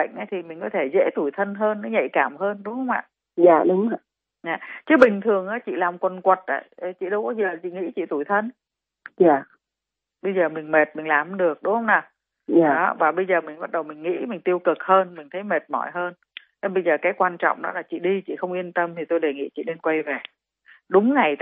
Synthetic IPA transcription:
ə̰˧˨ŋ̟ʔaː˨˦t̪ʰi˨˩mï˨˩ŋ̟kɔ˨˦t̪ʰe˧˩zḛ˧˥t̪u˧˩jt̪ʰə˧nɦəː˧nːɔ˨˦ɲə̰˧˨jkaː˧˩mhəː˧nɗʊ˨˦ŋ͡mhə˧wŋ͡mʔa̰ː˧˨ | zaː˧˨ɗʊ˨˦ŋ͡ma˧˨ | ɲaː˨t͡ɕɨ˨˦ɓï˨˩ŋ̟t̪ʰɨ˨˩əŋʔaː˨˦t͡ɕḭ˧˨laː˨˩mkwə˨˩nkwə˨˩t̚ʔa̰ː˧˦˨t͡ɕḭ˧˨ɗə˧wkɔ˨˦zəː˨˩t͡ɕḭ˧˨ŋḭ˧˥t͡ɕḭ˧˨t̪u˧˩jt̪ʰə˧n | ɲaː˨˩˨ | ɓə˧jzəː˨˩mï˨˩ŋ̟me˨˩t̚mï˨˩laː˨˩m˨˦ɗɨ˨˩ək̚ɗʊ˨˦ŋ͡mhə˧wŋ͡mnaː˨˩ | aː˨ɔ˨˦vaː˨˩ɓə˧jzəː˨˩mï˨˩ŋ̟ɓa˦˥t̚ɗə˨˩wmï˨˩ŋ̟ŋḭ˧˥mï˨˩ŋ̟t̪i˧əwkɨ˨˩k̚həː˧nmï˨˩ŋ̟t̪ʰə˨˦jme˨˩t̚mɔ̰˧˩jɦəː˧n | ne˧nɓə˧jzəː˨˩kaː˨˦jkwaː˧nt͡ɕɔ̰˧˨wŋ͡mɗɔ̰˨˦laː˨˩t͡ɕḭ˧˨ɗi˧t͡ɕḭ˧˨xə˧wŋ͡mʔi˧ənt̪ə˧mt̪ʰi˨˩t̪o˧jɗe˨˩ŋḭ˧˥t͡ɕḭ˧˨ne˧nkwa˧jve˨˩ | ɗʊ˨˦ŋ͡mŋa˨˩j

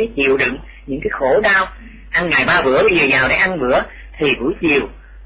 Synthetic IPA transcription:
a˨˦jt͡ɕḭ˧˨əwɗɨ̰˧˨ŋ | ɲɨ̰˧˥ŋkaː˨˦jxo˧˦ɗaː˧w | ʔa˧nŋa̰ː˧˨jɓaː˧vɨ̰˧˥əɓə˧zəː˨˩zaː˨˩wɗe˨˧˦ʔa˧nvɨ̰˧˥ə | t̪ʰi˨˩vṵ˧˥˦jt͡ɕḭ˨əw

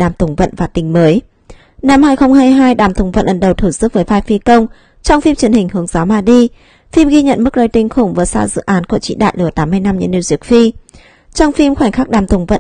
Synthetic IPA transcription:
ɗaː˨˩mt̪ʊ˨˩ŋ͡mvə̰˧˨nvaː˨˩t̪ï˨˦ŋ̟məː˨˦j | na˧mhaː˧jxə˧wŋ͡mhaː˧jɦaː˧jɗaː˨˩mt̪ʊ˨˩ŋ͡mvə̰˧˨nʔə˨˩nɗə˨˩wt̪ʰu˧˩sɨ˦˥k̚vəː˨˦jvaː˧jfi˧kə˧wŋ͡m | t͡ɕɔ˧wŋ͡mfi˧mt͡ɕi˨˦ənhï˨˩ŋ̟hɨ˨˦əŋzaː˨˦wmaː˨˩ɗi˧ | fi˧mɣi˧ɲə̰˧˨nmɨ˦˥k̚ɗəː˧jt̪ï˧˩ŋ̟xʊ˧˩ŋ͡mvəː˨˦jsa̰ː˧zɨ̰˧˨ʔaː˨˦nku˧˩ət͡ɕḭ˧˨ɗa̰ː˧˨jlɨ˧˩ət̪aː˨˦mː˧jna˧mɲɨ̰˧˥ni˧zi˦˥ək̚fi˧ | t͡ɕɔ˧wŋ͡mfi˧mxwɛ˧˩ŋ̟xaː˦˥k̚ɗaː˨˩mt̪ʊ˨˩ŋ͡mvə̰˧˨

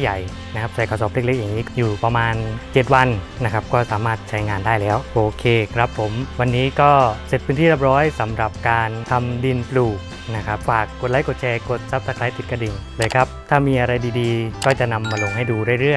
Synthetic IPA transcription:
ja˨˩j | na˥kʰa˦˥sʰa˨˩jkʰaː˧˩sɔː˨˩p̚le˥˩k̚le˦˥k̚ja˨˩ŋiː˦˥juː˨˩pa˧maː˧nt͡ɕe˨˩t̪̚wa˧n | na˦˥kʰɾa˦˥p̚kɔː˥˩saː˩˦maː˥˩t̪̚t͡ɕʰa˦˥jŋaː˧ndaː˥˩jlɛː˦˥wʔoː˧kʰeː˧kʰɾa˦˥pʰːo˩˦mwa˧nːiː˦˥kɔː˥˩se˨˩t̪̚pʰɯ˦˥niː˥˩ɾa˦˥˩p̚ɾɔː˦˥jsa˩˦mɾa˨˩p̚kaː˧nt̪ʰa˧mdi˧npluː˨˩k̚ | na˦˥kʰa˦˥p̚faː˨˩kːo˨˩t̪̚la˦˥jko˨˩t̪̚t͡ɕʰɛː˧ko˨˩t̪̚sa˦˥p̚sa˧˥kʰla˦˥jt̪i˨˩t̪̚kɾa˧di˨˩nlɤː˧jkʰɾa˦˥p̚t̪ʰaː˥˩miː˧ʔa˧ɾa˧jdiː˧diː˧kɔː˥˩t͡ɕa˨˩na˧mːaː˧lo˧ŋha˥˩jduː˧daː˥˩jɾɯ˥˩əj

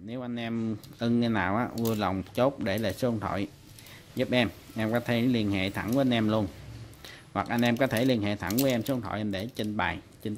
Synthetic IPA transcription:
ne˨˦wʔa˧jŋ̟ʔɛ˧mʔə˧nke˧naː˨˩wʔaː˨˦ʔu˧ələ˨˩wŋ͡mt͡ɕo˦˥t̚ɗe˧˩le˨˩sə˧nt̪ʰo̰˧˨j | zu˦˥p̚ʔɛ˧mʔɛ˧mkɔ˨˦t̪ʰe˧˦˨li˧ənhḛ˧˨t̪ʰa˧˩ŋku˧˦a˧jn̟ʔɛ˧mlu˧ən | hwa˨˩k̚ʔa˧jŋ̟ʔɛ˧mkɔ˨˦t̪ʰe˧˩li˧ənhḛ˧˨t̪ʰa˧˩ŋvu˨˦jʔɛ˧msɔ˧nt̪ʰo̰˧˨ʔɛ˧mɗe˧˩t͡ɕi˧nɓa̰ː˨˩j | t͡ɕi˧n

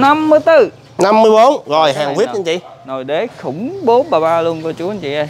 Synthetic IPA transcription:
na˧mːɨ˧əjt̪ɨ˧˩ | na˧mːɨ˧əjɓo˨˦nɣo˨˩jɦaː˨˩ŋvi˦˥əɲə˧˦t͡ɕḭ˧˨no˨˩jɗe˨˦xʊ˧˩ŋ͡mɓo˨˦ɓaː˨˩ɓaː˧lu˧ənkɔ˧˩t͡ɕu˨˦ə˨nt͡ɕḭ˧˨ʔa˧

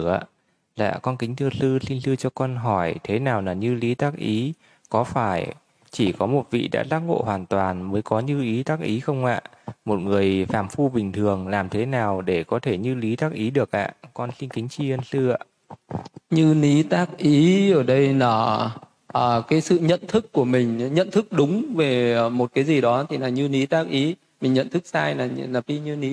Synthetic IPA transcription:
ʔa̰ː˧˨ | la̰ː˧˨kɔ˧nkï˨˦ŋ̟t̪ʰɨ˧sɨ˧si˧nsɨ˧t͡ɕɔ˧kɔ˧nɦɔ˧˩jt̪ʰe˨˦naː˨˩wnaː˨˩ɲɨ˧li˨˦t̪aː˦˥k̚ʔi˨˦ | kɔ˨˦faː˧˩j | t͡ɕi˧˩kɔ˨˦mo˨˩t̚vḭ˧˨ɗa̰ː˧˥t̪aː˦˥k̚ŋo̰˧˨hwaː˨˩nt̪waː˨˩nməː˨˦jkɔ˨˦ɲɨ˧ʔi˨˦t̪aː˦˥k̚ʔi˨˦xə˧wŋ͡mʔa̰ː˧˨mo˨˩t̚ŋɨ˨˩əjfaː˧˩mfu˧ɓï˨˩ŋ̟t̪ʰɨ˨˩əŋlaː˨˩mt̪ʰe˨˦naː˨˩wɗe˧˩kɔ˨˦t̪ʰe˧˩ɲɨ˧li˨˦t̪aː˦˥k̚ʔi˨˦ɗɨ˨˩ək̚ʔa̰ː˧˨kɔ˧nsi˧nkï˨˦ŋ̟t͡ɕi˧ə˧nsɨ˧a̰ː˧˨ʔ | ɲɨ˧ni˨˦t̪aː˦˥k̚ʔi˨˦əː˧˩ɗə˧jnaː˨˩ | ʔəː˨˩kaː˨˦jsɨ̰˧˨ɲə̰˧˨nt̪ʰɨ˦˥kːu˧˩əmï˨˩ŋ̟ɲə̰˧˨nt̪ʰɨ˦˥k̚ɗʊ˨˦ŋ͡mve˨˩mo˨˩t̚kaː˨˦jzi˨˩ɗɔ˨˦t̪ʰi˨˩naː˨˩ɲɨ˧ni˨˦t̪aː˦˥k̚ʔi˨˦ | mï˨˩ŋ̟ɲə̰˧˨nt̪ʰɨ˦˥k̚saː˧jnaː˨˩naː˨˩ɓi˧ɲɨ˧ni˨˦

